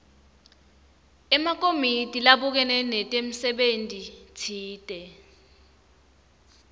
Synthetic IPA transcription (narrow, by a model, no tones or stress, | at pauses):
ɛmak̬ʼomitʼilaɓuk̬ɛnɛnɛtʼem̩sɛɓentʼitʰiːtʼɛ